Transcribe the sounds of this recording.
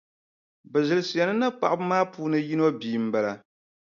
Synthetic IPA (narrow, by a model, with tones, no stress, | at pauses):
bɛ˨zɨ˨lsi˨ɛ˨nɨ˦na˦k͡pa˨ʔbɨ˦maː˦puː˦nɨ˦ji˦no˦biː˨m̩˦ba˨la˨